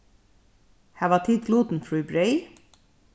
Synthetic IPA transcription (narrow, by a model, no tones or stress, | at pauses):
hæːʋɑːt̪ʰɪt̪ʰluːt̪n̩fɹʉːbɹœʏ